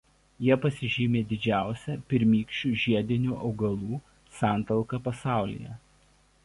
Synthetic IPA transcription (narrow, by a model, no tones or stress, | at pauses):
jiɛpɐsʲɪʒʲiːmʲeːd̪ʲɪd͡ʒʲæˑʊsʲɛpʲɪɾʲmʲiːkʃʲt͡ʃʲuːʒʲiɛd̪ʲɪnʲuːʔɒʊɡɐlˠuː | sɑˑnt̪ɐlˠkɐpɐsɑˑʊlʲɪ̰jɛ̰